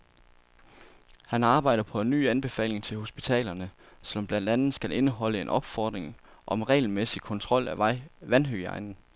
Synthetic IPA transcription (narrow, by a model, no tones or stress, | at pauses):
hænɑ̈ːb̥ɑ̈ɪ̰d̥ɐpʰɒ̽enːy̰ːænb̥e̝fɛ̰ːle̝ŋt͡sʰe̝lho̝sb̥it͡sʰɛ̰ːlɐnə | selɒ̽mb̥lænd̥ænð̞̩ˠsɡ̥ælʔe̝nəɦɒ̽ləe̝nʔɒ̽b̥fɒːd̥ʁeŋʔɒ̽mʁɛ̰ɪlmesikʰɒ̽nt͡sʰʁɒ̽l̰æʋænɦøɑ̈ɪnn̩